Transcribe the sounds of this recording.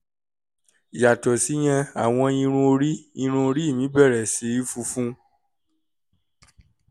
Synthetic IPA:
i˨ja˨tɔ˨si˨˦j̃ã˧a˨w̃ɔ̃˧ĩ˧ɾ̃ũ˧o˧ɾi˦ĩ˧ɾ̃ũ˧˦o˧ɾi˦i˦˨mĩ˨˦bɛ˦˨ɾɛ˨si˨˧˦i˦fu˧fũ˦

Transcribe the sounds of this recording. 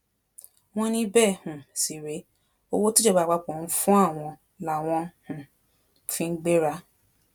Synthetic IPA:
w̃ɔ̃˦nĩ˧bɛ˦˨hũ˨si˨ɾe˨˦ | o˦wo˦tu˦d͡ʒɛ˦˨ba˨˦˨ɡ͡ba˨˧k͡pɔ̃˨n̩˦fũ˦a˦˨w̃ɔ̃˧ | la˨w̃ɔ̃˧hũ˨ | fĩ˧ŋ̩˦ɡ͡be˦ɾa˦

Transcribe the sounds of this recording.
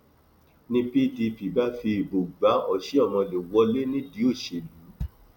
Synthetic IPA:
nĩ˧pi˦di˧pi˨ba˦fi˧i˨bo˨ɡ͡ba˨˦ɔ˧˨ʃi˦ɔ˦˨mɔ̃˧le˨wɔ˧le˦nĩ˦di˨˦o˦˨ʃe˧˨lu˨˦

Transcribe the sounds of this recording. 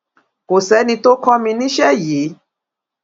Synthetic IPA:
ko˨sɛ˨˦nĩ˧to˦kɔ˦mĩ˧nĩ˦ʃɛ˦ji˨˦

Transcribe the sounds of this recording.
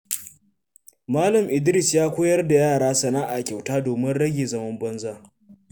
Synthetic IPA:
maː˦lɐ˨mʔɪ˨dɪ˦ɾɪ˦˨sjaː˦kʷoː˦jɐ˦rda˨jaː˦˨ɽaː˦sɐ˨naː˦ʔa˨kʲa˨wtaː˦doː˨mɪ˦nɽɐ˦ɡʲeː˨zɐ˦mɐ˦mbɐ˦nzaː˦˨

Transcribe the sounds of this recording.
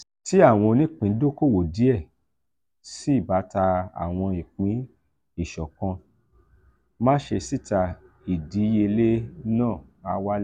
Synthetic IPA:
ti˨˦a˦˨w̃ɔ̃˧nĩ˦k͡pĩ˨˦do˦ko˦˨wo˨di˨˦ɛ˦˨ | si˦i˦˨ba˨˦ta˧a̰˨w̃ɔ̃˧i˨k͡pĩ˨˦ | i˦˨ʃɔ˨kɔ̃˧ | mã˦ʃe˧si˦˨ta˧ | i˨di˨˦je˧le˦nãː˦˨ | a˧wa˦l

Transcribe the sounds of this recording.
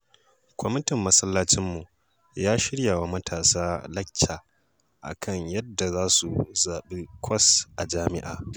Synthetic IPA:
kʷɔ˦mɪ˦tɪ˨mːɐ˦sɐ˦lːaː˦t͡ʃɪ˦mːu˨ | jaː˦ʃɪ˦ɽja˨wa˦mɐ˦tʰaː˨saː˦lɐ˦kʲʰːaː˨ | ʔa̰˨kʰɐ˦ɲjɐ˦dːa˨zaː˦su˨zaː˨ɓe˦kʷʰɐ˦sʔa˨d͡ʒaː˦mɪ̰˦ʔa̰ː˨

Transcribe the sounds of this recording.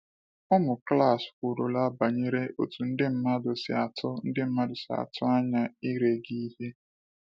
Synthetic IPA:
ʊ˦mʊ˨kla˦˨skʊ˨ɾo˨la˦ba˨ɲe˦ɾe˦ʔo̰˨tu˨n̩˦dɪ˦m̩˦ma˦dʊ˨sɪ˨a˨tʰʊ˦n̩˦dɪ˦m̩˦ma˦dʊ˨sɪ˨a̰˨tʰʊ˦a˦ɲa˦i˦ɾe˦ɡi˦ɦe˦

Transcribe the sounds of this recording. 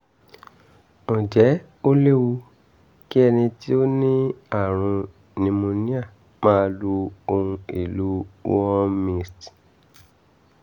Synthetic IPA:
mõ˨d͡ʒɛ˨˦ | o˦le˦wu˧ | ki˦ɛ˧nĩ˧ti˦o˦nĩ˦a˦˨ɾ̃ũ˧ | nĩ˧mõ˧nĩ˦a˦˨ | mãː˦lu˧o˧ɾũ˧ḭ˨lu˨˦ɔ˦mĩ˧st

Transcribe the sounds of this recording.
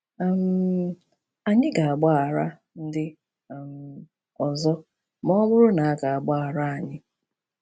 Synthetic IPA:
m̩˦ | a˨ɲɪ˦ɡa˨a˨ɡ͡ba˦a˨ɾa˦ | n̩˦dɪ˦˨ | m̩˨ | ɔ˨zɔ˦ | mɔ˦mʊ˦ɾʊ˦na˨a˦ɡa˨a˨ɡ͡ba˦a˨ɾa˦a˨ɲɪ˦

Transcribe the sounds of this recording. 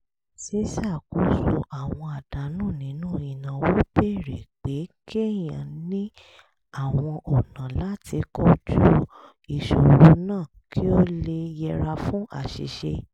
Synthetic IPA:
se˦sa˦˨ku˨˦so˧ʔa˨w̃ɔ̃˧a˨d̥a˨˦nũ˦˨nĩ˨˦nũ˦˨ĩ˨nã˨wo˨˦be˦˨ɾe˨k͡pe˨˦kʰe˦jã˨nĩ˦ | a˦˨w̃ɔ̃˧ʔɔ˨nã˨la˦ti˧kɔ˦tu˦ | i˨ʃo˨wo˨˦nãː˦˨ | kʰi˦o˦le˧jɛ˧ɾa˧fũ˦ʔa̰˦˨ʃḭ˨ʃe˧

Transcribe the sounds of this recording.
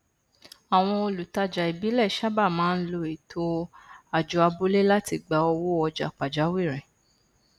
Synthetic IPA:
a˨w̃ɔ̃˧o˧lu˨ta˧d͡ʒa˨i˨bi˨˦lɛ˦˨ʃa˦ba˦˨mãː˦n̩˦lo˧e˨tʰo˧a˨d͡ʒɔ˧˦a˧bo˦le˦la˦ti˧˨ɡ͡ba˨˧ɔ˧wo˦ɔ˧d͡ʒa̰˨k͡pa˨d͡ʒa˨˦wi˦˨ɾɛ̃˨

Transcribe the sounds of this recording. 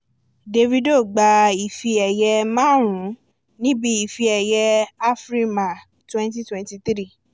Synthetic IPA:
de˧vi˧do˦˨ɡ͡ba˧i˨fi˧ɛ˨jɛ˧mãː˦ɾ̃ũ˨˦ | nĩ˦bi˦i˨fi˧ɛ˨jɛ˧a˦fɾi˦ma˨ | twɛ̃˦n˦t̬i˦twɛ̃˧nti˧t̪ɾi˦˨

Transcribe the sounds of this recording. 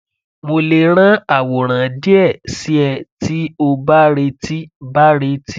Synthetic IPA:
mo˧le˧ɾ̃ã˦a˨wɔ˨ɾ̃ã˨di˦ɛ˦˨si˦ɛ˧˨ti˦o˧ba˦ɾe˧ti˦ba˦ɾe˧ti˦

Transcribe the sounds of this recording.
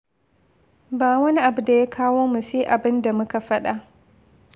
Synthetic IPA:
baː˨wɐ˦ni˦ʔa˨bu˨da˨jaː˦kʰaː˦woː˦mu˨seː˦ʔa˨bɪ˦nda˨mʊ˦ka˨ɸɐ˦ɗa˨ʔ

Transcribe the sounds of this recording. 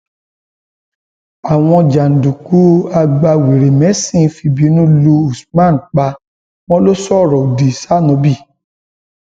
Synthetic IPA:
a˨w̃ɔ̃˧d͡ʒa˨n̩˨du˨ku˨˦a˧ɡ͡ba˧we˨ɾe˨mɛ˨˦sĩ˦˨˦fi˧bi˨˦nũ˦lu˧u˨smã˦˨n̩˨k͡pa˧ | w̃ɔ̃˦lo˦sɔ˦˨ɾɔ˨di˨sa˦nɔ̃˨˧bi˦˨

